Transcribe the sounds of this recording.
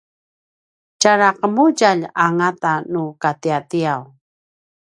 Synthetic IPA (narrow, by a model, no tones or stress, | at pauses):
t͡ʃaɾaqəmuɟaʎaŋat̪anukat̪iat̪iaw